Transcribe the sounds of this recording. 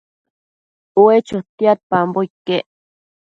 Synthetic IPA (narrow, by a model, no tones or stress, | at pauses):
uet͡ʃot̪iat̪̚pamboikeʔ